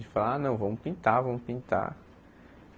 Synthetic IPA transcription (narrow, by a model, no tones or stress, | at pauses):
d͡ʒɪfalanɐ̃w̃vɐ̃mʊpĩnt̪aɾvɐ̃mʊpĩnt̪a̰ɾ